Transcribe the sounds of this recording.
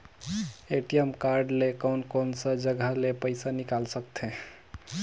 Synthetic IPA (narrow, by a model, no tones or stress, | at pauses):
eʈijemkaɾɖlekəwnkonsə̃d͡ʒəɡʱəlepəɪsanikalsək̚t̪ʰɛ̃